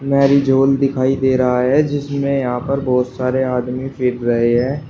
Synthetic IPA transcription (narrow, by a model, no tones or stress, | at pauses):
mɛːɾid͡ʒoːld̪ɪkʰaːid̪eːɾɐɦaɦɛd͡ʒɪsmẽjɐɦãpɐɾbɔːt̪saːɾeaːd̪mifʰɪɾɾɐɦeɦɛ̃ː